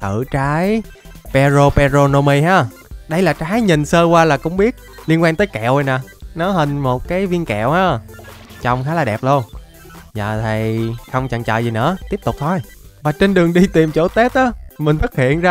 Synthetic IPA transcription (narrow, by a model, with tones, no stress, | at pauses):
t̪ɨ˧˩˨t͡ɕaː˨˦j | pɛ˧zo˧pɛ˧zo˧no˧mi˧haː˧˩ | ɗə˧jlaː˨˩t͡ɕaː˨˦jɲi˨˩nsəː˧kwaː˧laː˨˩kʊ̰˧˥ŋ͡mɓi˦˥ət̚li˧ənkwaː˧nt̪əː˨˦jkɛ̰˧˨wə˨˩jnaː˨˩nɔ˨˦ɦə˧˩nmo˨˩t̚kaː˨˦jvi˧ənkɛ̰˧˨wʔaː˨˧˥ | t͡ɕɔ˧wŋ͡mxaː˨˦laː˨˩ɗɛ˨˩p̚lu˧əŋ | zə̰ː˧˨t̪ʰi˨˩jxə˧wŋ͡mt͡ɕə̰˧˨ŋt͡ɕə̰ː˧˨jzi˨˩nɨ̰˧˥ət̪i˦˥əp̚t̪ʊ˨˩k͡p̚t̪ʰo˧j | vaː˨˩t͡ɕe˧nɗɨ˨˩əŋɗi˧t̪i˨˩mt͡ɕo˧˩˦t̪e˦˥t̚ʔaː˨˦mï˨˩ŋ̟fə˦˥t̚hḭ˧˨ənzaː˧